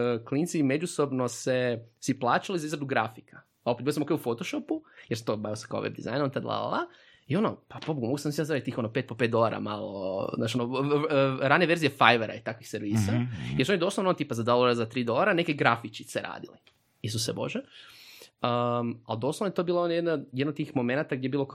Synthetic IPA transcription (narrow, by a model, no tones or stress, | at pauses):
klint̪sime̞d͡ʒuso̞bnosesiplˠaːt͡ʃalizaizɾad̪uɡɾafikḁ | opeilosmokeufot̪oʃopujeɾsat̪obajiosakao̰ʋḛbd̪iza̰jnont̪ad̪lˠa̰la̰la | io̞nopapobuɡumoɡusamsiaszɾait̪̚t̪iːxo̞nopet̪̚popet̪̚d̪o̞lˠaɾa̰malo̰znaːt͡ʃiono | ɾaneʋeɾzijefajʋeɾa̰it̪akʋixseɾʋiːsajeɾsuonid̪osloʋnonot̪iːpazad̪olˠoɾazat̪ɾiːd̪o̞lˠaɾanekeɡɾafit͡ʃit̪seɾa̰ːd̪ili | is̬usebo̞̰ʒe | əmald̪oslonojt̪obilaonojd̪najed̪not̪iːxmo̞menat̪aɡd̪ʲjebilo